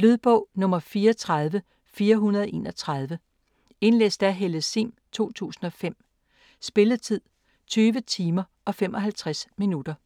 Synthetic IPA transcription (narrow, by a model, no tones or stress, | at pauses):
lyðˠb̥ɔ̽ʊ̰nɔ̽mɐfiːɐt͡sʰʁað̞ˠʋə | fiːɐɦunɐð̞̩ˠɒʔe̝̰ːnɒ̽t͡sʰʁɑð̞ˠʋə | e̝nlḛsd̥æɦeləsimt͡sʰo̝̰ːt͡sʰṵːsn̩ɒ̽fem̰ | sb̥e̝lət͡sʰið̰ˠ | t͡sʰyːʋət͡sʰiːmɐ | ɒ̽femʔɒ̽ɦælt͡sʰʁasminud̥ɐ